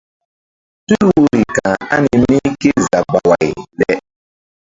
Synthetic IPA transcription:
tu˦ɾwu˦ɾi˨kã˨a̰˦ni˨mi˦ki˦za˨ba˨wa˨jɗɛ˦

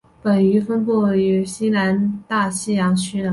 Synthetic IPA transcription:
pə˨˩ny˧˥fə˥npu˥˩y˧˥ɕi˥na˧˥nt̪a˥˩ɕi˥jɑ˧˥ŋt͡ɕʰy˥nə˨

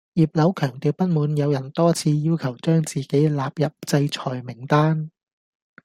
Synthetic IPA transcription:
jiː˨˩p̚lɐ˨˥wkʰœː˨˩ŋt̪iː˨˧wpɐ˥t̚muː˨˧njɐ˨˧wjɐ˨˩nt̪ɔː˥t͡sʰiː˧jiː˥wkʰɐ˨˩wt͡ʃœː˥ŋt͡siː˨ke˨˥jlaː˨p̚jɐ˨p̚t͡sɐ˧jt͡ʃʰɔː˨˩jmɪ˨˩ŋt̪aː˥n

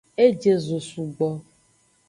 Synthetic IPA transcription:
e˦d͡ʒe˦zo˨su˨ɡ͡bɔ˨

